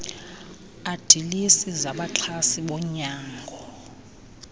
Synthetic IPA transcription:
ad̥ʱilisizaɓat͡ɬʰasiɓɔɲaːŋɡʱɔ

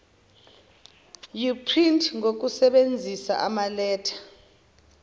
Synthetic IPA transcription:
jupʰrintʰʼŋok̬usɛɓend͡zʱisa̰ʔamalɛːtʰḁ

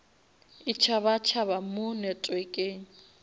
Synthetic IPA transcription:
ɪt͡ʃʰaβat͡ʃʰaβamʊnɛtʼwekʼeː

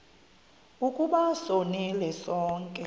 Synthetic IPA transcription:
ukʼuɓasonilɛsɔːŋkʼɛ

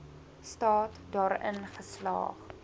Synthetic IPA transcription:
stɑːtdɑːɾə̰nχəslɑ̰ːχ

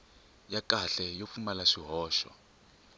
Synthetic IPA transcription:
jakaɬɛjofumalaʂiɦɔːʃɔ̰

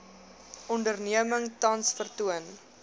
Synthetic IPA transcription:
ʔɔndərniəməŋtɐnsfərtuən

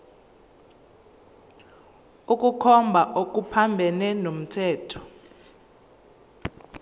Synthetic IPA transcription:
uk̬ʼukʰɔmbʱaʔok̬ʼupʰambʱɛnɛnom̩tʰɛːtʰɔ̥

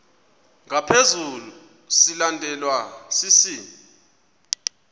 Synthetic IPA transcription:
ŋapʰezulu | silandʱɛlwasisi

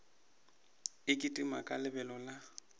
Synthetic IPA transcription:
ɪkʼɪtʼima̰kʼalɪbɛlɔla

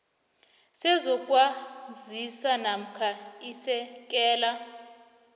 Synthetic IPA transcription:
sɛzɔkʼwazisanam̩kʰaisɛk̬ʼɛːla

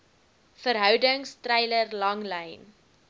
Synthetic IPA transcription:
fəɾɦœwdəŋstrɛjlərlɐŋlɛjn

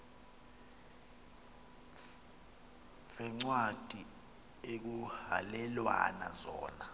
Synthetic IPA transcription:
vɛŋ͡ǀwad̥ʱi | ek̬uha̰lɛlwa̰na̰zɔ̰ːna

